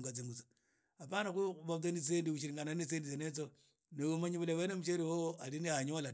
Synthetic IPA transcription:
ŋɡat͡s̬iŋɡut͡so̥ | apanakuβak̬enit͡seːndiuʃ̬iɾiŋɡananit͡sendit͡senet͡so | neumaɲiβulewenemuʃeɾiwoaliniaɲola

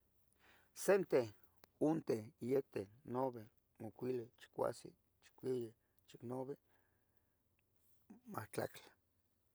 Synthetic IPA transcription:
sent̪e | unt̪ejet̪enoβe | mokʷilet͡ʃi̥kʷa̰sḭ | t͡ʃi̥kʷije | t͡ʃiknoβe | maht͡ɬa̰kt͡ɬḁ

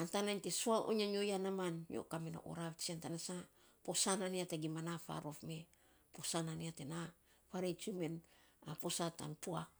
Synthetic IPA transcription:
antanantesuaʔo̰ɲaɲojanamanjo̰kamena̰ʔo̰ɾaβt͡ʃiantanasa | posananiataɡimanafa̰ɾo̞fme̞ | po̞sananiatena | paɾet͡ʃumenapo̞sata̰npua

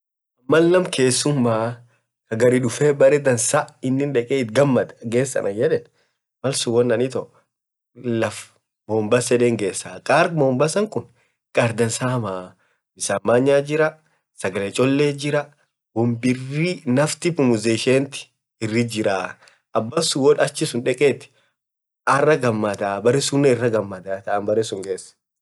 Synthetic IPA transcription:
ɐmːɐnːɐmkʰe̞ːsːʊmːaː | kɐɡɐɾiᶑʊfeːbɐɾɛd̪ɐnsaɪnːɪnᶑɛkʼeːɪt̪̚ɡɐmːɐt̪ɐɡe̞ːsːɐ̰nʔɐjɛᶑɛ | mɐlsʊwɔnːɐnɪt̪ɔʔ | lɐf | moːmbɐsɛᶑeːŋɡe̞ːsːaːkʼaːɾɡmoːmbɐsɐŋkʊn | kʼaɾd̪ɐnsaːmaː | mɪsaːmːaːɲːaːd͡ʒɪɾɐ | sɐɡɐlet͡ʃʼɔlːeːd͡ʒɪɾɐ | wɔmbɪrinɐft̪ɪpʊmʊzeːʃeːnt̪ɪ̥ | ɪrːɪd͡ʒɪɾaː | ʔɐbːɐsʊwɔᶑɐt͡ʃːɪsʊnᶑɛkʼeːt̪ɪ̥ | ɐrːɐɡɐmːɐd̪aːbɐɾɛsʊnːɛɪrːɐɡɐmːɐd̪aːt̪ɐʔɐnbɐɾɛsʊŋɡeːsː

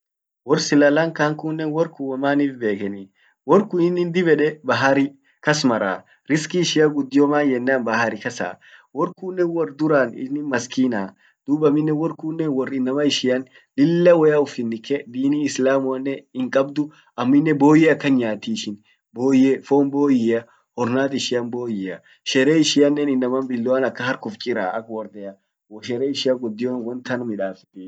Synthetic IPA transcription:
wɔrsɪlɐlaŋkaːŋkʊnːɛwɔɾkʊwɐmaːniːfbe̞ːkɛni | wɔɾkʊɪnːɪnd̪ɪbɛᶑɛbɐɦɐɾɪ | kɐsmɐɾa̰ː | ɾɪskɪːʃɪjaɡʊd̪ːɪjɔmaːnjɛnːaːnbɐhɐɾɪkɐsa̰ː | wɔɾkuːnːɛnwɔrd̪ʊɾaːnɪ̰nːɪmɐskiːnaː | d̪̥uːbɐmɪnːɛwɔɾkuːnːɛwɔrɪnːɐmɐɪʃɪjɐn | lɪlːɐwɔjaːʊfɪnːɪkɛd̪iːniːɪslaːmʊɐnːɛɪŋkʼɐbd̪ʊ | ɐmːɪnːɛbo̞ːjeɐkːɐnɲaːt̪iːʃɪn | boːjefoːmbo̞ːjɪɐ | hɔɾnaːt̪ɪʃɪjɐnboːjɪɐ | ʃɛɾeːɪʃɪɐnːɛnɪnːɐmɐmbɪlːʊwɐnɐkːɐhɐɾkʊft͡ʃʼɪɾa̰ːʔɐ̰kwɔɾd̪ɛjɐ | wɔʃɛɾeːɪʃɪaɡɔd̪ːɪjonwɔnt̪ɐnmɪᶑaːfɪt̪iː

